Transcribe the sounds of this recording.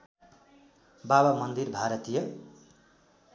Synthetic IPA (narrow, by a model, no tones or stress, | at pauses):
babamʌnd̪irbʱaɾʌt̪ijʌ